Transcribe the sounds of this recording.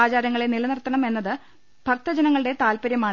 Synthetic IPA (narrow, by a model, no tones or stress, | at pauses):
aːd͡ʑaːɾɐŋːɐɭenilɐnɐrt̪ːɐɳɐme̞nːɐðɨ | b̥ʱɐrt̪ːɐd͡ʑɐnɐŋːɐɭɨɽe̞t̪aːlpɐɾjɐmaː